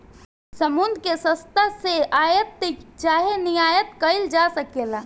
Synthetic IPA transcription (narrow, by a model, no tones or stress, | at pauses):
səmund̪ʱkesə̃st̪aseaːjət̪ːt͡ʃaːɦenijaːjət̪kəɪld͡ʒasəkeːla